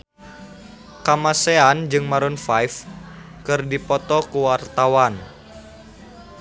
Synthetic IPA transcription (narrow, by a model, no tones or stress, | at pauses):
kamaseand͡ʒɨŋmaɾunfajf | kɨrdipɔt̪ɔkuwart̪awan